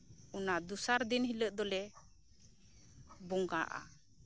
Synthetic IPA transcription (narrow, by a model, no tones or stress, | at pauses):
ɔnad̪usaɾd̪inɦiləʔd̪ɔlɛ | bɔŋɡaʔa̰